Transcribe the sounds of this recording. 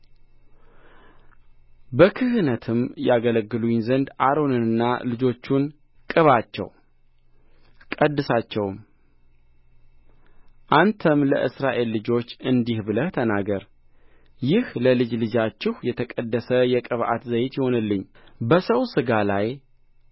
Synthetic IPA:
bəkʰɨɦɨnət̪ʰɨmjaɡələɡːɨluɲzənd̪aɾo̞nɨnɨnːalɨd͡ʒo̞t͡ʃːun | kʼɨβat͡ʃːɛ̰w | kʼəd̪ːɨsat͡ʃːɛwm | ʔant̪ʰəmləʔɨsɾaʔe̞lːɨd͡ʒo̞t͡ʃːɨnd̪ihbɨləht̪ʰənaɡəɾ | jɪhləlɨd͡ʒlɨd͡ʒat͡ʃːɪhjɛt̪ʰəkʼəd̪ːəsəjɛkʼɨβʔa̰t̪zəjt̪jɪho̞nɨlːɨɲː | bəsəwsɨɡalaj

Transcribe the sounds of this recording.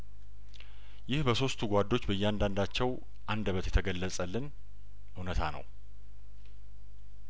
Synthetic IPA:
jɪhbəso̞st̪ʰuɡʷad̪ːo̞t͡ʃːbəjːɛand̪and̪at͡ʃːɛw | ʔand̪əβət̪jɛt̪ʰəɡəlːəsʼəlːɨn | ʔɨwnət̪ʰanə̰w

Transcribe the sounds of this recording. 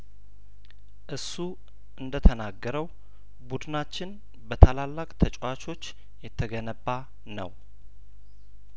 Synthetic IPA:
ʔɨsːu | ʔɨnd̪ət̪ʰənaɡːəɾəw | bud̪ɨnat͡ʃːɪn | bət̪ʰalalːakʼt̪ʰət͡ʃʼwat͡ʃo̞t͡ʃː | jɛt̪ʰːəɡənəbːa | nə̰w

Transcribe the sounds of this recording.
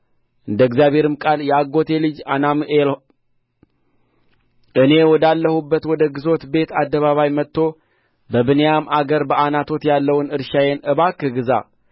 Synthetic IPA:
ʔɨnd̪əɨɡzjaβhe̞ɾɨmkʼaljɛaɡo̞t̪ʰe̞lɨd͡ʒanamel | ʔɨne̞wɔd̪alːəhubːət̪wɔd̪əɡɨzo̞t̪be̞t̪ʰad̪ːəβaβajmət̪ːo̞ | bəbɨnəjamʔaɡəɾbəanat̪ʰo̞t̪jalːəwnɨɾʃajenʔɨβakːɨɡɨza̰

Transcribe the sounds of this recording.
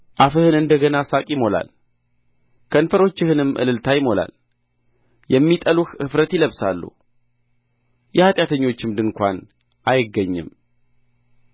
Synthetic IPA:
ʔafɨhɨnɨnd̪əɡənasakʼjɪmo̞la̰l | kʰənfəɾo̞t͡ʃːɪhɨnɨmːʔɨ̰lɨlt̪ʰajɪmo̞la̰l | jɛmːit̪ʼəluxɨfɾət̪jɪləβsalːṵ | jɛhat̪ʼjat̪ʰəɲːo̞t͡ʃːɪmd̪ɨnkʷa̰n | ʔajɪɡːəɲːɨ̰m

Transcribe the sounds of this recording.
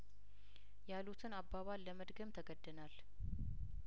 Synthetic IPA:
jalut̪ʰɨnabaβalːəməd̪ɡəmt̪ʰəɡəd̪ːənal

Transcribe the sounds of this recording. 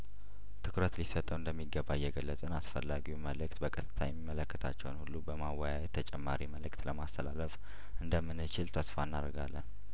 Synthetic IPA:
t̪ʰɨkɾət̪lisət̪ʼəwɨnd̪əmːiɡəbajɛɡəlːət͡sʼɨnasfəlːaɡiuməlɨk̚t̪bəkʼət̪ʰɨt̪ʰajɛmːimːələkːət̪ʰa̰t͡ʃːɛ̰wnhulːubəmawajajɛt̪ʰːət͡ʃʼɛmːaɾiməlɨkt̪ləmast̪ʰəlaləf | ʔɨnd̪əmːɨnːɨt͡ʃɪlt̪ʰəsfanːa̰ɾɡalːən

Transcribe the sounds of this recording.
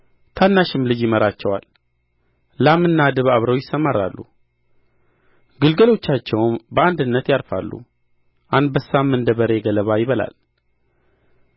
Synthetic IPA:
t̪ʰanːaʃɪmlɨd͡ʒjɪməɾat͡ʃːɛwa̰lː | amɨnːad̪ɨβaβɾəwjɪsːəmaɾa̰lːṵ | ɡɨlɡəlo̞t͡ʃːat͡ʃːɛwmbəand̪ɨnːət̪jaɾfa̰lːṵ | ʔand̪bəsːamːɨnd̪əβəɾe̞ɡələβajɪβəla̰l

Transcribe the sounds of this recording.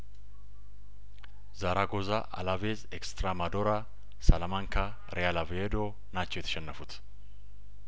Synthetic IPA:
zaɾaɡozaʔɐ̰lavezɛkst̪ɾamɐd̪oːɾa | sɐlɐmaŋkʰɐ | ɾɛjalɐved̪oː | naːt͡ʃːɔjɛt̪ːʃɛnːɐfʊt̪

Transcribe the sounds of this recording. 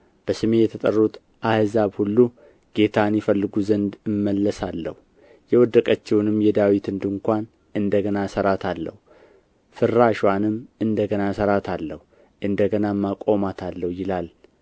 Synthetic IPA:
b̥əsɨme̞jɛt̪ʰət̪ʼə̰rːut̪ | ʔahɨzabhulːu | ɡ̥e̞t̪ʰanjifəlːɨɡuzənd̪ɨmːəlːəsalːə̰hu | jɛwɔd̪ːəkʼət͡ʃːɛwnɨmjɛd̪awit̪ɨnd̪ɨŋkʷan | ɨnd̪əɡənasəɾat̪ʰalːə̰hu | fɨɾːaʃwanɨmɨnd̪əɡənasəɾat̪ʰalːəhu | ʔɨnd̪əɡənamːakʼo̞mat̪ʰalːəhjɪlal

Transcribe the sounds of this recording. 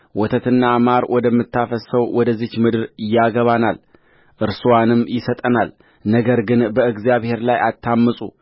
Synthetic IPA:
wɔt̪ʰət̪ʰɨnːamaɾwʔɔd̪əmːɨt̪ːafəsəwwɔd̪əzːɨt͡ʃmɨd̪ɨɾɪjːaɡəβanal | ʔɨɾsuwanɨmjɪsət̪ʼənal | nəɡəɾɡɨnbəɨɡzjaβhe̞ɾlajʔat̪ʰːamːɨsʼṵ

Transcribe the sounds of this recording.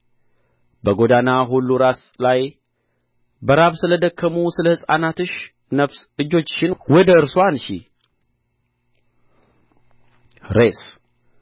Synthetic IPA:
bəɡo̞d̪anaɦulːuɾas | laj | bəɾaβsɨləd̪əkʰːəmusɨləhɨsʼanat̪ɨʃ | nəfsɨd͡ʒo̞t͡ʃːʃɪnwɔd̪əɨɾswanʃḭ | ɾes

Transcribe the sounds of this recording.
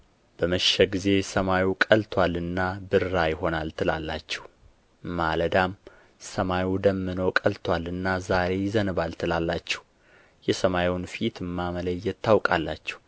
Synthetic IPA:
b̥əməʃɛɡize̞səmajikʼəlt̪ʰwalɨnːabɨɾːajɪho̞nalt̪ʰɨla̰lːa̰t͡ʃːɛh | maləd̪am | səmajud̪əmːɨnokʼəlt̪ʰwalɨnːazaɾe̞jɪzənɨβalt̪ʰɨlalːat͡ʃːɛ̥h | jɛsəmajwnfit̪ɨmːamələjːɛt̪ʰːawkʼalːat͡ʃːɛ̥w

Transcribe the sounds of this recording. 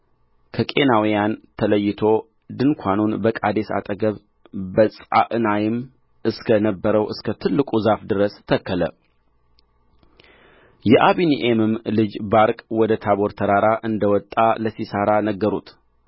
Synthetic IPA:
kʰəkʼe̞nawijant̪ʰələjːɪt̪ʰo̞ | d̪ɨnkʷʰanunbəkʼa̰d̪e̞sa̰t̪ʼəɡəβ | bəsʼa̰ʔɨnajɪm | ɨskʰənəbːəɾəwɨskʰət̪ʰɨlːɨkʼuzafd̪ɨɾəst̪ʰəkːələ̰ | jɛʔaβiniʔemɨmlɨd͡ʒbaɾkʼwɔd̪ət̪ʰaβo̞ɾt̪ʰəɾaɾaʔɨnd̪əwɔt̪ʼːaləsisəɾanəɡːəɾut̪

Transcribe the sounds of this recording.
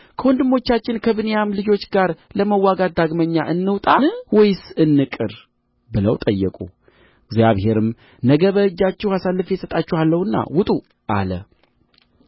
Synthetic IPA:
kʰəwɔnd̪ɨmːo̞t͡ʃːat͡ʃːɪnkʰəβɨnejamlɨd͡ʒo̞t͡ʃːɡaɾləməwːaɡat̪̚d̪aɡməɲːa̰ʔɨnːɨwt̪ʼanɨwɔjsɨnːɨkʼɨɾ | bɨlə̰wt̪ʼəjːəkʼṵ | ɪɡzjaβhe̞ɾɨm | nəɡəβəɨd͡ʒːat͡ʃːɛwasalːɨfjɛsət̪ʼat͡ʃːɛhalːəwɨnːa̰wʊt̪ʼu | ʔa̰lə̰

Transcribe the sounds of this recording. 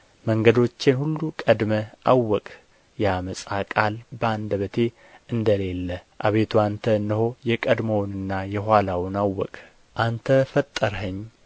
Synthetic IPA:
məŋɡəd̪o̞t͡ʃːɪnhulːukʼəd̪məʔawːɔkʼ | jaməsʼakʼalbəand̪əβət̪ʰe̞ | ɨnd̪əle̞lːəʔa̰βe̞t̪ʰuant̪ʰəɨnːəɦo̞jɛkʼəd̪mownɨnːajɛɦwalawʊnawːɔ̰kʼ | ʔant̪ʰəfət̪ʼːəɾɦəɲː

